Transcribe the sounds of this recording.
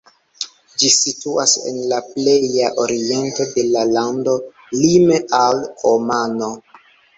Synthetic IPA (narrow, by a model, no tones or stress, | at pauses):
d͡ʒisituasḛnlaple̞jaʔo̞ɾie̞nto̞de̞lalando̞ | limeʔalomano̞